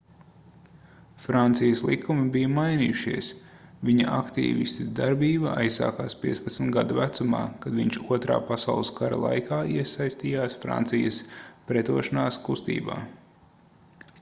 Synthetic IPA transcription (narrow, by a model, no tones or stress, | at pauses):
fɾant̪sijɐslˠikʰːumibijɐmajnḭːjuʃiɛsviɲɐʔakt̪ḭːvḭst̪id̪aɾbiːbɐʔa̰jsːa̰ːkaːspiɛt̪spɐt̪smt̪ɡad̪uvæt̪suma̰ːkad̪viɲʲt͡ʃuɔt̪ɾa̰ːpasa̰ʊlˠɨskaɾa̰lˠa̰jkʰaːiɛsajst̪iːjaːsfɾa̰nt̪sijɐspɾɛt̪uɔʃanaːskust̪ḭːba̰ː